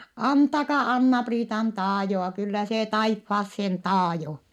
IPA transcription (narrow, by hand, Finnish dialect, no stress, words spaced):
ɑntɑkɑ ɑnːɑpriːtɑn tɑːjoɑ kylːæ se tɑifːɑːsːen tɑːjo